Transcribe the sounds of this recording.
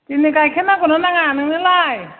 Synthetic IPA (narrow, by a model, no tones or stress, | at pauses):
tinikajkʰenakunanaŋanɯnɯlaj